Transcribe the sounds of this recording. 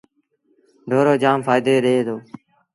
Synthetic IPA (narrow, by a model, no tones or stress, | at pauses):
ɖʱoːɾoːd͡ʒaːmfaːɪd̪eːɗeːt̪oː